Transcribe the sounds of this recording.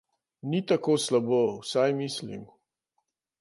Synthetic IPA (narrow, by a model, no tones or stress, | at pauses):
nit̪akoslabowsajmislḭm